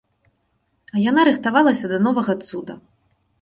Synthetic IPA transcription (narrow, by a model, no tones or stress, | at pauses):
ɐjanaɾɨxt̪avalˠɐsʲɐd̪ɐnɔvɐɣɐt̪sud̪ɐ